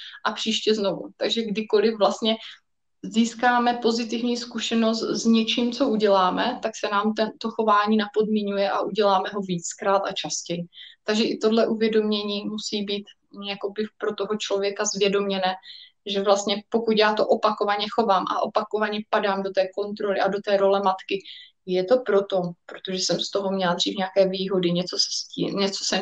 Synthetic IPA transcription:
ʔapr̝̥iːʃcɛzno̞vṵt̪aɡʒɛɡdɪko̞lɪfvlast̪ɲɛ | ziːskaːmɛpo̞zɪt̪ɪvɲiːskuʃɛno̞st̪zɲɛt͡ʃiːmt͡so̞ʔuɟɛlaːmɛt̪aksɛnaːmt̪ɛnt̪o̞xo̞vaːɲiːnapo̞dmiɲujɛʔaʔuɟɛlaːmɛɦo̞viːt͡skɾaːt̪at͡ʃascɛjɪt̪aɡʒɛʔɪt̪o̞dlɛʔuvjɛdo̞mɲɛɲiːmusiːbiːt̪ | jako̞bɪpɾo̞t̪o̞ɦo̞t͡ʃlovjɛkazvjɛdo̞mɲɛnɛː | ʒɛvlast̪ɲɛpo̞kut̪jaːt̪o̞ʔopakovaɲɛxo̞vaːmʔa̰ʔo̞pako̞vaɲɛpadaːmdot̪ɛːko̞nt̪ɾo̞lɪʔado̞t̪ɛːɾo̞lɛmat̪kɪ | jɛt̪o̞pɾo̞t̪o̞pɾot̪o̞ʒɛsɛmst̪o̞ɦo̞mɲɛlad̪r̝iːfɲeakɛːviːɦo̞dɪɲɛt͡sosɛ̥sciːɲɛt͡so̥sɛ

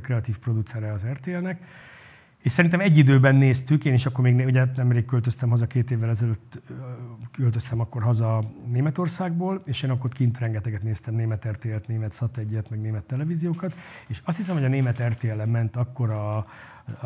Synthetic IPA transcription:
krɛɒt̪iːfpro̞d̪ut̪sɛɾɛɒzɛrt̪eːɛlnɛk | eːʃsɛɾint̪ɛmɛɟːid̪øːbɛnːeːst̪ykeːniʃɒkːormeːɡneuɟɛnɛmreːkkølt̪øst̪ɛmɦɒzɒkeːt̪eːvːɛlɛzɛløːt̪ː | kølt̪øst̪ɛmɒkːo̞rɦɒzɒneːmɛt̪o̞rsaːɡboːleːʃeːnɒkːot̪kint̪rɛŋɡɛt̪ɛɡɛt̪neːst̪ɛmneːmɛt̪ɛrt̪eːɛlt̪neːmɛt̪sɒt̪ɛɟːɛt̪mɛɡneːmɛt̪ːɛlɛviːzijoːkɒt̪eːʃɒst̪hisɛmhoɒneːmɛt̪ɛrt̪eːɛlɛmːɛnt̪ɒkːo̞ɾɒ

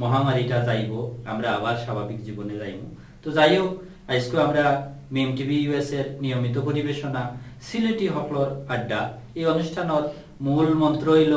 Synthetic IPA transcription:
mɔɦamaɾiʈazajbɔamɾaːbaɾsabʱabikzibɔnezajmṵ̃ | t̪ozajow | ajskuamɾammʈibʱijueseɾnijomit̪ɔpoɾibeʃɔnasilʈiɦɔklɔɾaɖːa | ejɔnusʈʰanɔt | mulmɔnt̪ɾojl

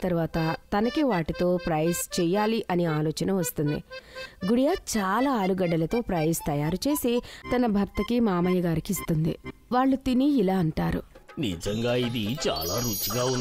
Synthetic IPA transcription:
t̪ɐɾʋaːt̪ɐt̪ɐnɐkiʋaːʈit̪o̞ːpɾɐjst͡ʃɛːjaːliʔɐniaːlɔːt͡ʃɐnɐʋɐst̪und̪ḭɡuɽijaːt͡ʃaːlaːaːluɡɐɖːɐlɐt̪o̞ːpɾɐjst̪ɐjaːɾut͡ʃe̞ːsit̪ɐnɐbʱɐɾt̪ɐkimaːmɐjɐɡaːɾikiist̪und̪ḭ | ʋaːɭːut̪iniːlaːɐɳʈaːɾṵnḭd͡ʒɐŋɡaːid̪it͡ʃa̰ːlaːɾut͡ʃːiɡaːun

